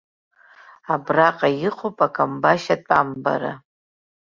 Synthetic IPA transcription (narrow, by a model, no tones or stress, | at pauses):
abraqʼajɪqʷopʼakʼambaʃatʼamba̰ɾa̰